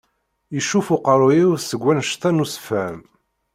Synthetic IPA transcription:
jəʃːufʊqəɾˤojiwsəɡʷːænʃt̪ænusə̥fæm

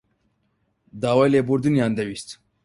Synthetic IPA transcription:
d̪aːwajlebuɾd̪inijand̪ɐwist̪

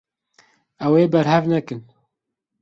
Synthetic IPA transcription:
ɛweːbɛɾhɛvnɛkɨn

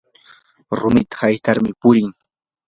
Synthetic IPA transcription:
ɾʊmɪt̪ḁhajt̪aɾmɪpʊɾɪŋ

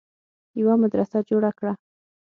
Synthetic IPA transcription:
jawamad̪ɾasad͡ʒoɽakɽa

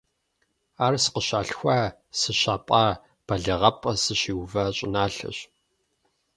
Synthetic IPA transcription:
aːrsə̥qəɕaːɬxʷaː | sɨɕaːpʼɑː | b̥ɐɮɨʁɐpʼɐsɨɕiːwvɐɕʼɪnaːɬɐ̰ɕ

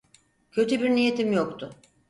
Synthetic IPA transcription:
cʰø̞t̪ʰybiɾnije̞t̪ʰimjokt̪ʰʊ

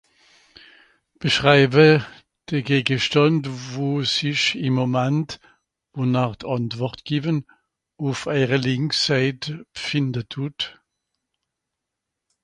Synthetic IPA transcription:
b̥əʃʁaɪbə | d̥əɡeːɡəʃtɑntvoːsɪçɪmːomɛnt | vonaʁtʰɑntvɔʁtɡ̥iːvən | ufaɪʁəlɪŋksaɪtəb̥fɪndətʰuːt

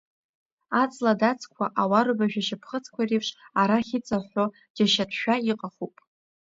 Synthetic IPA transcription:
at͡sʼladat͡sʰkʷʰaʔawaɾɨbaʒᶣaʃɪpʰχət͡sʰkʷʰaripʰʂaɾaχʲɪt͡sʼaħʷo | d͡ʒaʃatʰʃᶣaiqʼaχupʼ

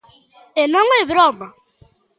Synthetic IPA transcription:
enaŋʷebɪɾɔɡ͡ba

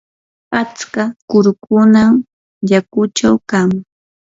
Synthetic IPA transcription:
at͡skakʊɾkʊnam | ʎakʊt͡ʃawkam

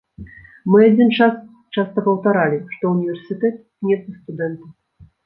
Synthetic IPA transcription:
mɨad͡zʲint͡ʂas | t͡ʂast̪ɐpɐwt̪aɾalʲiʂt̪ɔunʲivʲɛrsʲɨt̪ɛt̪knʲɛt̪ɨst̪ud̪ɛnt̪ɐw

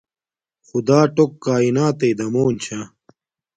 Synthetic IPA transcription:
xud̪aːʈokːaːinaːt̪ejd̪ɐmoːnt͡ɕʰa

